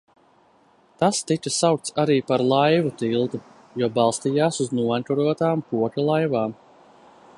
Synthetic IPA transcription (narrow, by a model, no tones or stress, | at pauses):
t̪ast̪it͡ʃasawk̚t̪saɾiːpaɾlˠajvut̪ilˠd̪u | jɔbɑlˠst̪ijaːsuznuant̪uɾuɔt̪aːmpuɔkʲalˠajvaːm